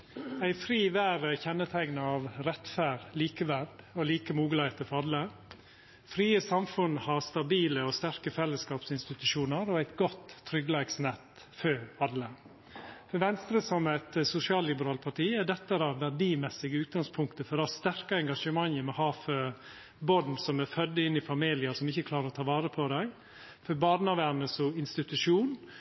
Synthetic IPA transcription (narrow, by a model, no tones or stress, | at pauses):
æɪfɾiːʋæːɾəçɛnːət̪ʰæɪɡnɑɑʋɾɛt̪fæːɾliːkəʋæɾɖɔliːkəmuːɡəlɑɪt̪əfɑd̪lə | fɾiːəsɑmfʉnːhɑst̪ɑbiːləɔst̪æɾkəfɛlːəskɑːpsɪnst̪ɪt̪ʉʂuːnəɾɔæɪt̪ɡɔt̪ʰːɾʏɡlɑːɡsnɛt̪ | føːɑd̪lə | fɔʋɛnst̪ɾəsɔmæɪt̪sʊsɪɑːllɪbəɾɑːlpʰɑʈiːæɖɛt̪ːəɾɑʋʋæɖiːmɛsɪɡəʉːt̪̚ɡɑŋspʰʊŋkt̪əfɔɾɑst̪æɾkɑɛŋɡɑʂəmɑŋːəmɛhɑːfœɾ | bɔnsɔmæfœd̪ːəɪnːɪfɑmiːlɪəsɔmɪçəkʰlɑːɾəɾɔt̪ʰɑːʋɑːɾəpʰɔd̪æɪ | fɔbɑːɾnɑʋæːɾnəsɔɪnst̪ɪt̪ʉʂuːn